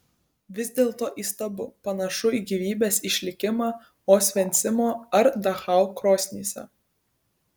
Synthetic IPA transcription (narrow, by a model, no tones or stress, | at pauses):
ʋʲɪzʲd̪ʲeːlˠt̪oːʔiːst̪ɐbʊpɐnɐʃʊiːɡʲiʋʲiːbʲeːsɪʃʲlʲɪkʲɪmɑː | oːsʲʋʲɛnʲt̪sʲɪmoːɐɾd̪ɐxɑˑʊkɾoːsʲnʲiːsʲɛ̰